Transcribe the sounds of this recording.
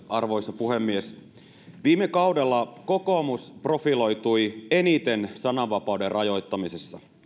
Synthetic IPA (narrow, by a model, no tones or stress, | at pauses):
ʔɑrʋo̞jsːɑpuɦemːies | ʋiːmːekɑwde̞lːɑko̞ko̞ːmuspro̞filo̞jt̪uje̞nit̪e̞nsɑnɑʋʋɑpɑwderrʔɑjo̞jt̪ːɑmisesːɑ